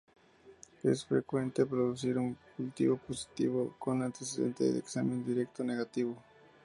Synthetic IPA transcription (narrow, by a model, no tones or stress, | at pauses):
pesfɾekwent̪ep̬ɾod̪ʊs̬iɾʊŋkult̪iβoposi̥t̪iβokonat̪esd̪ent̪ḛjd̪ḛksamend̪iɾekt̪oneɡat̪iβo